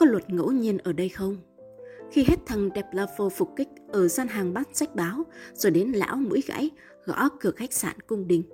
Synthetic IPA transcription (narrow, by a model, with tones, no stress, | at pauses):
kɔ˨˦lwə˨˩t̚ŋo̰˧˥wɲi˧ənʔəː˧˩ɗə˧jxə˧wŋ͡m | xi˧ɦe˦˥t̚t̪ʰə˨˩ŋɗɛ˨˩p̚laː˧˩fo˧˩fʊ˨˩k͡p̚kï˦˥k̟̚ʔəː˧˩zaː˧nɦaː˨˩ŋɓaː˦˥t̚sa˦˥jk̟̚ɓaː˨˦wz̥o˧˩ɗe˨˦nla̰ː˧˥wmṵ˧˥əjɣa̰ː˧˥j | ɣɔ̰˧˥kɨ˨˧˩ək̚xa˦˥k̚saː˧˩nkʊ˧ŋ͡mɗï˨˩ŋ̟